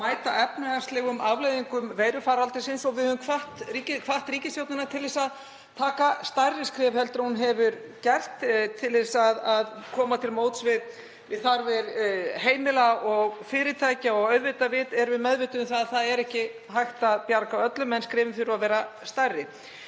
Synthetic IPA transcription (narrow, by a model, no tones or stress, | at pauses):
maːjt̪aʔɛpnɛɣast̪lɛːɣʏmʔavlejðiŋkʏmvejɾʏfaːɾalt̪ɪsɪnsɔɣvɪðhœvʏmkʰvaht̪riːcɪkʰvaht̪ɾiːcɪst̪jowt̪nɪnat̪ʰɪlðɪsað | t̪ʰaːkast̪ajrːɪskɾɪːvhɛlt̪ɾahunɦɛvʏɾ | cɛr̥t̪t̪ʰːɪlesaðaðkʰɔːmat̪ʰɪlmoːwt̪svɪð | vɪðθaɾvɛɾheːjmɪlaɔɣfɪːɾɪt̪ʰaːjcaɔɣœɥðvɪt̪avɪːt̪ɛɾvɪðmɛðvɪːt̪ʏʏmθaðθaðɛɾɛhcɪ | ɦajht̪apjaɾkaœt̪lʏmɛnskɾɪːvɪmfɪɾʏaðvɛːɾast̪ajrːɪ